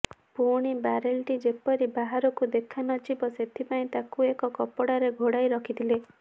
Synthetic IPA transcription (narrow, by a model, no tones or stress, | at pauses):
puɽ̃ibaɾelʈid͡ʒepɔɾibaɦaɾɔkud̪ekʰanɔd͡ʒibɔsed̪ʱipaĩt̪akuekɔkɔpɔɽaɾeɡʱoɽajɾɔkʰit̪ʰile